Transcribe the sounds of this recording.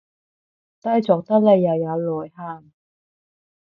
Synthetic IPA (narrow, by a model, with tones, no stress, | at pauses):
t̪ɐ˥jt͡sɔː˨k̚t̪ɐ˥k̚le˨˧jːɐ˨˩wjɐ˨˧wlɔː˨˩jhaː˧˩m